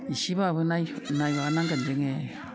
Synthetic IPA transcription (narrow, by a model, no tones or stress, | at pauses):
isibaβɯnajnajβaanaŋɡand͡ʒeŋe